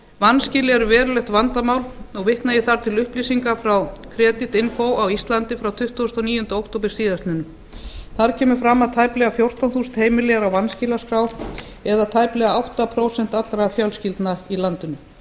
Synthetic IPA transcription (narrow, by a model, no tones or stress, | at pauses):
vanscɪlɪɛɾʏvɛːɾʏlɛht̪vant̪amaːwlɔɣvɪht̪najɛθaɾ̥t̪ʰɪlʏhpliːsiŋkafɾawkʰɾɛːt̪ɪt̪ɪnfowawist̪lant̪ɪfɾawt̪ʰʏht̪ust̪ɔniːjʏnt̪ʏowk̚t̪owp̬ɪɾ̥siːðast̪lɪnʏm | θaɾ̥cʰɛːmʏ̥fɾamːaðt̪ʰaːjplɛɣafjowr̥t̪anθuːsɪnheːjmɪlɛɣɾawvanscɪlaskɾaːw | ɛðat̪ʰajplɛɣaawht̪apʰɾoːwsɛn̥t̪at̪ɾafjalscɪlt̪nailant̪ʏnʏ